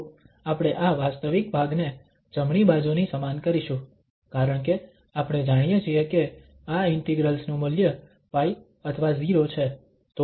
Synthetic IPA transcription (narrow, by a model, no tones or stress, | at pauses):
apɽ̃eʔaʋast̪əʋik̚bʱaɡne | d͡ʒəmɳibad͡ʒunisəmankəɾiʃũ | kaɾəɳke | apɽ̃ed͡ʒaɽ̃ijet͡ʃʰieke | aɪnt̪iɡɾəlsnũməljə | pai | ət̪ʰʋaziɾot͡ʃʰe | t̪o